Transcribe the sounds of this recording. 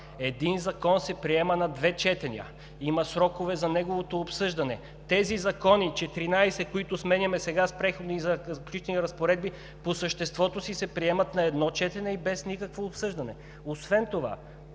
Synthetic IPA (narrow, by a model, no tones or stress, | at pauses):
ɛd̪inzɐkɔnsɛpɾiɛmɐnɐd̪vɛt͡ʃɛt̪ɛnʲiə̰ | imɐsɾɔkovɛzɐnɛɡovot̪oːpsɤʒd̪ɐnɛ | t̪ɛzizɐkɔnit͡ʃɛt̪ɾinajsɛkoit̪ʊsmɛnʲɐmɛsɛɡaspɾɛxod̪izɐzklʲuit͡ʃ̪ɛniɾɐspoɾɛd̪̚bi | posəʃt̪ɛst̪vɔt̪osisɛpɾiɛmɐt̪nɐɛd̪nɔt͡ʃɛt̪ɛnɛibɛsnikəkvoːpsɤʒd̪ɐnɛ | osvɛnt̪ova̰